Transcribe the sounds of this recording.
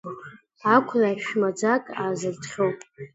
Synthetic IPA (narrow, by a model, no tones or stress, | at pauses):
akʷʰlaʃmad͡zakʼaːzɨrtʰχʲowpʼ